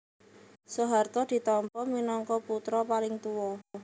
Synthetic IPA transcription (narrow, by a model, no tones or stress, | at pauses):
soɦart̪ɔd̪̥i̤t̪ɔmpɔminɔŋkɔput̪ɾɔpalɪŋt̪uwɔ